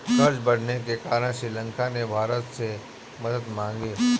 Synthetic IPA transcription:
kɐɾd͡ʒbɐɽ̤nekekaːɾənʃɾɪlə̃ŋkanebʱaːɾət̪se | mɐd̪əd̪mãːŋɡiː

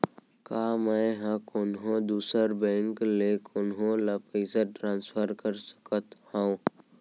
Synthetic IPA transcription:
kaːməɦãkoːnɦõd̪uːsəɾbɛ̃ːŋklekʰoːnɦõlapəɪsaʈɾãːnspʰəɾkəɾsə̥kət̪hãõ

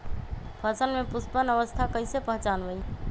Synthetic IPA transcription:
pʰəsənmepuspənəʋəst̪ʰakəjsepəɦt͡ʃanbəj

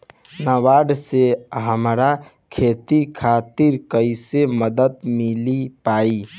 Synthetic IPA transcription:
naʋaːɖseɦəmɾa | kʰeːt̪ikʰat̪iɾkəiseməd̪ət̪milipaːi

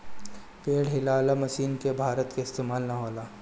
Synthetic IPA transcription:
peːɽɦɪlalamɐsiːnkebʱaːɾət̪keɪst̪eːmaːlnɐɦoːlaː

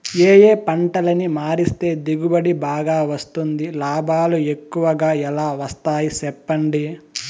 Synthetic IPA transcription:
eːje̞ːpɐɳʈɐlɐnimaːɾist̪e̞ːd̪iɡubɐɽibaːɡaːʋɐst̪und̪ilaːbʱaːlue̞kːuʋɐɡaːɛlaːʋɐst̪aːjisɛpːɐɳɖi

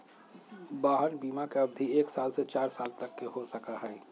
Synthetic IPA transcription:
baːɦənbiːmakeəb̚d̪ʱieːksaːlset͡ʃaːɾsaːlt̪əkːeɦosəkaɦɛː

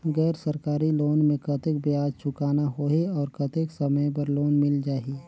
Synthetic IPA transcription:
ɣɛːɾsɐɾkaːɾiloːnmẽkɐt̪ek̚bɪjaːd͡ʒt͡ʃʰʊkaːnaɦoːeɔːɾkɐt̪eksɐməjp̬ɐɾloːnmɪld͡ʒaːiː

